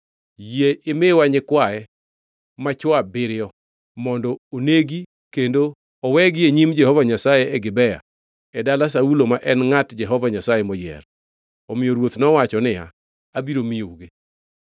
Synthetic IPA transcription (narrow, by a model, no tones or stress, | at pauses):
jeʔɪmewaɲɪkwaɛ | mat͡ʃwabɪɾɪɔ | mɔndɔoneɡi | kendo | ɔwɛɡɪeɲimd͡ʒɛhɔvaɲasajɛɛɡɪbɛja̰ | ɛdalas̬aulomaʔɛnŋatd͡ʒɛɦɔvaɲasajɛmɔd͡ʒɛ̰r | ɔmɪjoɾwot̪nɔwat͡ʃɔnɪja̰ | abiɾomɪjouɡe